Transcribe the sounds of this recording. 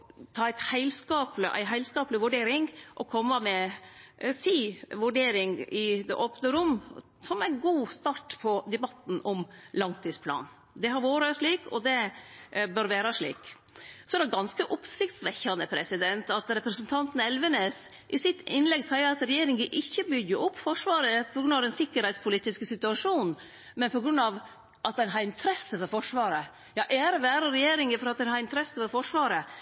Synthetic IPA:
t̪ʰɑːæɪt̪hæɪlskɑːpləʔæ̰ɪɦæɪlskɑːplɪʋʉɖeːɾɪŋʔɔkʰɔmːəmɛ | siːʋʉɖeːɾɪŋɪd̪ɛ̰ʔoːpnəɾʊmː | sɔmæɪnɡuːst̪ɑʈpʰɔd̪ɛbɑt̪n̩ʔɔmlɑŋt̪ʰiːd̪spʰlɑ̰ːn | d̪ɛɦɑɾʋoːɾəʂɭiːkʰɔ̰d̪ɛ | bœɾʋæːɾɑʂɭḭːk | sɔɛɾɛɡɑnskəʔʊpsɪkt̪sʋɛçːɑnəpʰɾɛsɪd̪ɛnt̪ɑt̪ɾɛpɾəsənt̪ʰɑnt̪n̩ɛlʋəneːs | ʔɪsɪt̪ɪnlɛɡsæɪəɾɑt̪ɾɛjeːɾɪŋɡəʔɪçːəbʏɡəʔʊpːfɔʂʋɑːɾəpʰɔɡɾʉnːɑʋɛnsɪkːəɾhɛɪt̪spʰʊliːt̪ɪskəsɪt̪ʉɑʂuːnn̩ | mɛnpʰɔɡɾʉnːɑʋ | ʔɑt̪̚d̪ɛnɦɑɾɪnt̪ʰɾɛsəfɔɾfɔʂʋɑːɾə | jɑːʔɛɾəʋæːɾəɾɛjeːɾɪŋəfɔɾɑt̪̚d̪ɛnhɑɾɪnt̪ʰɾɛsəfɔɾfɔʂʋɑːɾə

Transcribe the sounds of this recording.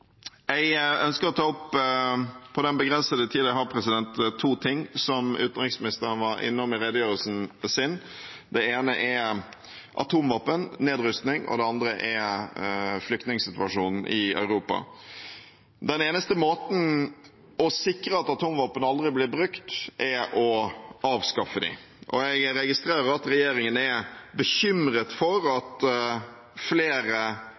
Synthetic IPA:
jɛɪœnskəɾɔt̪ʰɑːʊpː | pʰɔd̪ɛnbəɡɾɛnsəd̪ət̪ʰiːd̪əɦɑɾpʰɾɛsɪd̪ɛnt̪t̪ʰːuːt̪ʰɪŋːsɔmʉ̰ːt̪nʁɪksmɪnɪst̪əɾəʋɑɾɪ̰nːɔmɪɾɛd̪əjøːɾəlsn̩sɪn | d̪ɛeːnəʔɛ | ʔɑ̰t̪ʰuːmʋɑːpənːeːd̪ɾʏst̪nɪŋɔ̰d̪ɛɑnd̪ɾəʔɛ | flʏkt̪nɪŋsɪt̪ʉɑʂuːnn̩ʔɪœ̰ʉɾuːpɑ̰ | d̪ɛneːnəst̪əmoːt̪n̩ | ɔsɪkɾəɑt̪ɑt̪ʰuːmʋɑːpːənɑld̪ɾɪblɪbɾʉkt̪ʔɛɾɔɑːʋskɑfːəd̪ɪ̰ | ʔɔ̰ɛɪɡɾɛɡɪst̪ɾeːɾəɾɑt̪ɾɛjeːɾɪŋənɛbəçʏmɾət̪fɔɾɑt̪ | fleːɾə

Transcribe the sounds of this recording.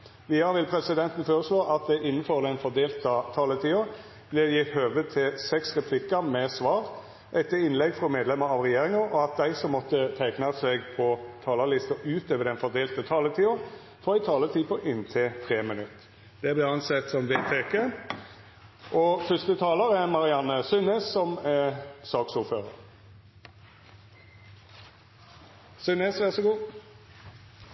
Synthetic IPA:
ʋiːɑʋɪlpʰɾɛsɪd̪ɛnt̪n̩føːɾəsloːʔɑt̪̚d̪ɛʔɪnːəfɔɾd̪ɛnfɔɾd̪eːlt̪ɑt̪ʰɑːlət̪ʰiːʊ | b̥lɪɾjɪt̪høːʋət̪ʰɪlsɛksʁɛpʰlɪkːəɾmɛsʋɑːʁ | ʔɛt̪ːəɪnlɛɡfɾɔmeːd̪lɛməɾɑʋɾɛjeːɾɪŋɑɔɑt̪̚d̪æɪsɔmːɔt̪ːət̪ʰæɪknɑsɛɡpʰɔt̪ʰɑːləlɪst̪əʔʉːt̪øːʋəd̪ɛnfɔʁd̪eːlt̪ət̪ʰɑːlət̪ʰiːʊ | fɔʁæɪt̪ʰɑːlət̪ʰiːpʰɔʔɪnt̪ʰɪt̪ʰʁeːmənʉt̪ː | d̪̥ɛblɪʁɑnsɛt̪sɔmʋeːt̪ʰekə | ʔɔfʏst̪ət̪ʰɑːləʁæʁmɑʁɪɑnːəsʏneːssɔmɛsɑːksuːføːʁəʁ | sʉneːsʋæʁsɔɡuː

